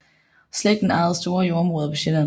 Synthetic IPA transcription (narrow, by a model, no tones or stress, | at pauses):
sleɡ̥d̥ːenɑ̈ð̩ˠsd̥o̝ːɐjo̝ɐɒmʁɔ̽ːðˠɐpʰɒ̽ɕen